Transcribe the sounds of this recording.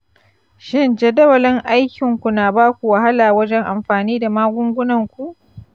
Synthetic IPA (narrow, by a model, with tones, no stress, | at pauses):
ʃɪ˦nd͡ʒɛ˨dɐ˦wɐ˨lɪ˦ŋʔa˦jkʲɪ˨ŋkʷu˨naː˨baː˦kʷu˨wa˨ɦa˦laː˨wɐ˦d͡ʒɛ˦ŋʔa˨mɸaː˨niː˦da˨maː˦ɡʷʊ˦ŋɡʷʊ˦nɐ˨ŋkʷu˨ʔ